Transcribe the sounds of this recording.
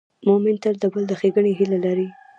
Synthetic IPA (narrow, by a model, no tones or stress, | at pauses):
momɪnt̪əɾd̪əbəld̪əxeɡəɳiɦilalaɾi